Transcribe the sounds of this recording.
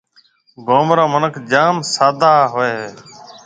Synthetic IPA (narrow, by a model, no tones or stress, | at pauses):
ɡoːmɾãːmənəkʰd͡ʒaːmsaːd̪aːɦoːeː